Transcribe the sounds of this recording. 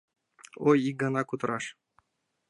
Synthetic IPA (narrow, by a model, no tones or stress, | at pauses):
ojik̚ɡɑnɑkut̪ɾɑʃ